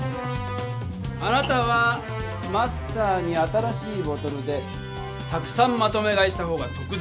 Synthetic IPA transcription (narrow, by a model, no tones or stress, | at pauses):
anat̪aβa | masɨ̥t̪aːɲ̟iat̪aɾaɕiːbo̞t̪o̞ɾɯ̟d̪e̞ | t̪akɯ̟̥sãmːat̪o̞me̞ɡaiɕi̥t̪aɦo̞ːɡat̪o̞kɯ̟d̪